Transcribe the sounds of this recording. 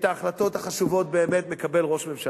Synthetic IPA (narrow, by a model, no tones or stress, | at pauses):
t̪aːχlat̪o̞t̪haχaʃuvo̞t̪̚be̞ːme̞t̪me̞kabe̞lʁo̞ʃmemʃa